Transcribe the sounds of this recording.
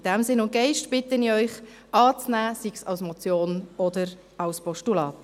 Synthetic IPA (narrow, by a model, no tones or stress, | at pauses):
ɪd̥ɛmsɪnʊnt̚ɡ̥ɛɪʃtb̥ɪtəniœʏχ | ɑːt͡snæːsiksɑ̰lsmɔt͡sjoːnɔdəɾ | ɑlspɔʃtulɑːt